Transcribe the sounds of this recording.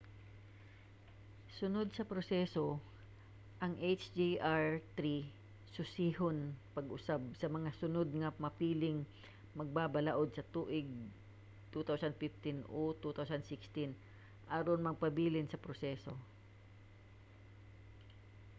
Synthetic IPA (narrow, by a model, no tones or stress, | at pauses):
sʊnod̪̚sɐpɾosɛso̞ | ʔɐŋʔejt͡ʃd͡ʒiʔaɹt̪ɾi | sʊsihonpɐɡʔʊsab̚sɐmɐŋasʊnod̪̚ŋɐmɐpiːlɪŋ | mɐɡ̚babɐlɐʔo̞d̪̚sɐt̪uːʔɪɡ̚ | t̪ut̪awsɐnd̪fɪft̪ɪnʔot̪ut̪awsɐnd̪sɪkst̪ɪn | ʔaɾonmɐɡ̚pɐbiːlɪnsɐpɾosɛːso̞